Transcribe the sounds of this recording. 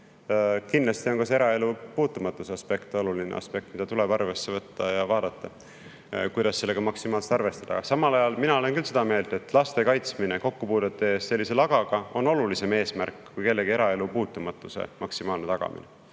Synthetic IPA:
kinlɑst̪io̞nkɑseeɾɑe̞lupuːt̪ːˑumɑt̪ːˑuse̞ɑspe̞kt̪o̞lulinḛɑ̰spe̞k̚t̪mid̪ɑt̪uleb̥ɑrve̞sːe̞vɤt̪ːɑjɑvɑːd̪̥ɑt̪ːˑɑ | kujd̪̥ɑsːe̞lːe̞ɡ̥ɑmɑksimɑːlset̪ɑrve̞st̪ɑd̪ɑ̰ɡ̥ɑsɑmɑlɑjɑlminɑo̞lenkylse̞d̪̥ɑme̞ːld̪̥e̞t̪ːˑlɑst̪e̞kɑjt̪smineko̞kːupuːd̪et̪ːˑee̞ːst̪se̞lʲːise̞lɑɡ̥ɑɡ̥ɑo̞no̞lulise̞me̞ːsmærkːkujke̞lːe̞ɡie̞ɾɑe̞lupuːt̪ːˑumɑt̪ːˑuse̞̰mɑksimɑːlne̞t̪ɑɡ̥ɑ̰mḭne

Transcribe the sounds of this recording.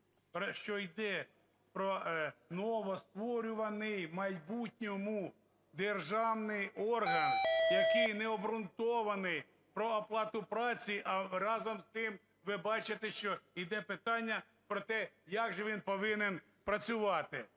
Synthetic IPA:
ʃt͡ʃɔjd̪ɛ | pɾɔnɔʋɔst̪ʋɔɾʲʊʋɐnɪjmɐjbutʲnʲɔmʊ | d̪erʒɑwnɪjɔrɦɐnjɐkɪjnɛɔbɾʊnt̪ɔʋɐnɪj | pɾɔːplˠɑt̪ʊpɾɑt͡sʲiʔɐrɑzɔmst̪ɪm | ʋɪbɑt͡ʃɪt̪ɛʃt͡ʃɔid̪ɛpɪt̪ɑnʲːɐ | pɾɔt̪ɛjɑɡʒɛʋʲinpɔʋɪnen | pɾɐt͡sʲʊʋɑt̪ɪ

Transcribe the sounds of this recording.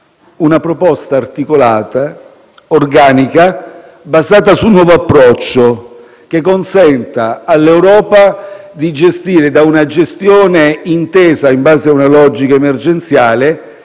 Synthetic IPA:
unapɾopɔst̪aːrt̪ikolaːt̪a | orɡaːnika | bazaːt̪̬asunːwɔːvoapːɾɔt͡ʃːo | k̟ekːonsɛnt̪aːlːewɾɔːpa | d̪id͡ʒest̪iːɾed̪aunad͡ʒest̪jɔːneint̪ɛːzaimbaːzeaunalɔd͡ʒikaemerd͡ʒent̪sjaːle

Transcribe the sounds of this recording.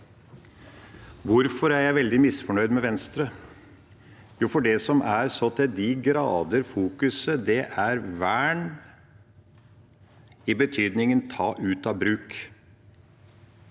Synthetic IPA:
ʋʊɾfɔɾæɾjæɪʋɛld̪ɪmɪsfɔɳœʏd̪mɛʋɛnst̪ɾə | juːfɔɖɛsɔmʔæɾsɔt̪ʰɪld̪ɪɡɾɑːd̪əɾfuːkʉsəd̪ɛʔæɾʋæːɳ | ɪbət̪ʰyːd̪nɪŋənt̪ʰɑːʔʉːt̪ɑbɾʉːk

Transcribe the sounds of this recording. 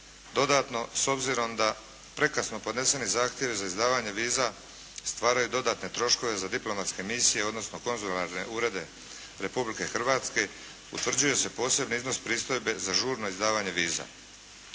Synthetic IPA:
d̪o̞d̪at̪no̞so̞bziɾo̞md̪a | pɾe̞kasno̞po̞d̪ne̞se̞nizaːxt̪je̞ʋizaizd̪aːʋaɲe̞ʋiːza | st̪ʋaːɾajud̪o̞d̪aːt̪ne̞t̪ɾo̞ʃko̞ʋe̞zad̪iplo̞mat̪ske̞misijeo̞d̪no̞sno̞ko̞nzulaɾne̞ʔuːɾe̞d̪e̞ | ɾe̞publike̞xr̩ʋaːt̪ske̞ | ṵt̪ʋr̩d͡ʑuje̞se̞po̞ːse̞bniizno̞spɾiːst̪o̞jbe̞zaʒuːɾno̞izd̪aːʋaɲe̞ʋiːza̰

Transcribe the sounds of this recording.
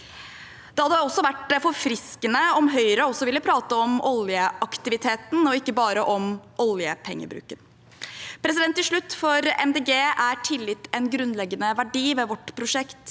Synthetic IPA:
d̪̥ɛhɑd̪ːəɔsːɔʋæʈfɔɾfɾɪskənəɔmɦœʏɾəɔsːɔʋɪlːəpʰɾɑːt̪əɔmɔljəʔɑkt̪ɪʋɪt̪ʰeːt̪nɔɪkːəbɑːɾəʔɔmʔɔljəpʰɛŋːə̰bɾʉ̰ːkən | pʰɾɛs̬ɪd̪ɛnt̪ːɪlʂɭʉt̪ːfɔɾɛ̰md̪eːɡeːæɾʈʰɪlːɪt̪ːɛnɡɾʉnlɛɡːənəʋæɖiːʋɛʋɔʈpʰɾʊʂɛkt̪

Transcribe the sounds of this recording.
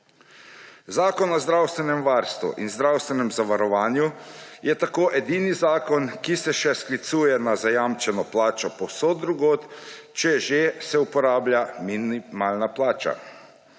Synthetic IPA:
zaːkɔnɔzd̪ɾawst̪ʋɛnɛmʋaɾst̪ʋṵʔḭnzd̪ɾawst̪ʋɛnɛmzaʋaɾɔʋaːnjujɛt̪akoːʔɛd̪inizaːkɔnkisɛʃɛsklit̪suːjɛnazajamt͡ʃɛnɔplaːt͡ʃɔpɔsod̪ɾuɡoːt̪ | t͡ʃɛʒesɛupɔɾaːblʲjaminimaːlnaplaːt͡ʃa̰

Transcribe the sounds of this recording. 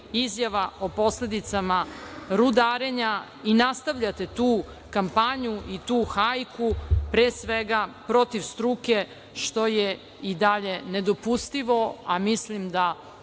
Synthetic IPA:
izjaʋao̞po̞sle̞d̪it̪samaɾud̪aːɾeɲa | inast̪aʋʎat̪e̞t̪uː | kampaɲuit̪uːxajkupɾeːsʋeɡapɾo̞t̪iʋst̪ɾuke̞ | ʃt̪o̞je | id̪aʎe̞ned̪o̞pust̪iʋo̞amislimd̪a

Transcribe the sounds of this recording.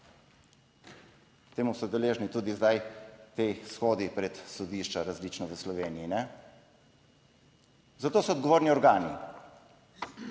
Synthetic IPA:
t̪eːmusɔd̪ɛleːʒnit̪uːd̪izd̪ajt̪esxoːd̪ipɾɛt̪sɔd̪iːʃt͡ʃaɾazliːt͡ʃnɔʋəslɔʋeːniinɛ | zat̪oːsɔɔd̪ɡɔʋoːɾniɔɾɡaːni

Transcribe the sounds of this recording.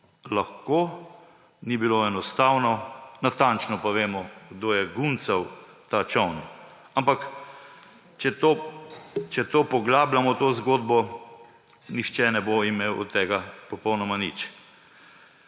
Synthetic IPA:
laxko | nibiloɛnɔst̪awnɔnat̪ant͡ʃnɔpaʋeːmɔɡd̪oːjɛɡunt̪sɐw | t̪at͡ʃɔwn | ampak | t͡ʃɛt̪o | t͡ʃɛt̪oːpɔɡlaːblamɔt̪oːzɡoːd̪bɔ | nixt͡ʃɛnɛboimeːwɔ̰t̪ːɛːɡapɔpɔwnɔmanḭt͡ʃ

